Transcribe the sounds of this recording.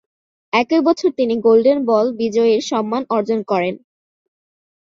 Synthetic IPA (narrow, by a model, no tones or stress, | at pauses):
ɛkebɔt͡ɕʰoɾt̪iniɡolɖenbɔlbid͡ʑɔeɾʃɔmːanɔɾd͡ʑonkɔɾen